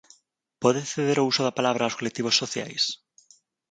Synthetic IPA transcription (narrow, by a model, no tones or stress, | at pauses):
pɔðeθeðeɾousoðɐpalaβɾaːwskolek̚t̪iβosːoθja̰js